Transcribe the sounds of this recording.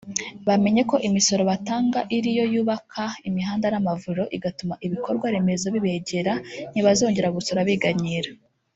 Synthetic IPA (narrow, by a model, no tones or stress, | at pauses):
βame̞ɲe̞ko̞ʔimiso̞ɾo̞βataːŋɡaʔiɾijo̞juːβakʰaimiɦaːndanamavuɾo̞ʔiɡatumaʔiβiko̞ɾɡwaɾe̞me̞zo̞βiβe̞ɟe̞ɾaniβazo̞ːɲɟe̞ɾaɡusoɾaβiɡaɲiɾa